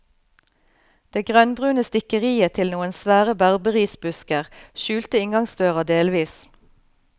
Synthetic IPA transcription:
d̪̥eːɡʁœnbʁʉːnəst̪ɪkəʁiːət̪ʰɪlnuːənsʋæːʁəbæʁbəʁiːsbʉskəʁʃʉːlt̪əɪŋɡɑŋsd̪øːʁɑd̪eːlʋiːs

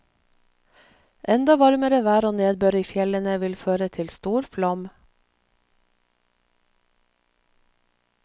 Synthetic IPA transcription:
ʔɛnd̪ɑʋɑɾməɾəʋæːɾoːneːd̪̚bøːɾiːfjɛlənəʋɪlføːɾət̪ʰɪlst̪uːɾflɑm

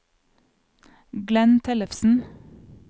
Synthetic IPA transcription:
ɡlɛnt̪ʰɛləfsn̩

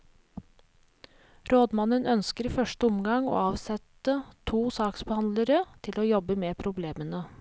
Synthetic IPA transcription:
ɾoːd̪mɑnənœnskəɾiːfœʂʈəʊmɡɑŋo̰ːɑːʋsɛt̪ət̪ʰuːsɑːksbəhɑnd̪ləɾət̪ʰɪloːjɔbəmepʰɾʊbleːmənə

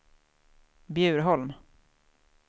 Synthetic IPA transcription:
bjʉ̟ːɾɦɔlm

